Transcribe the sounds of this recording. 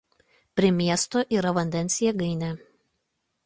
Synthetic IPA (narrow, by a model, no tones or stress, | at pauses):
pʲɾʲɪmʲiɛst̪oːʔiːɾɐʋɐnʲd̪ʲɛnʲsʲɪjɛɡɐɪnʲɛ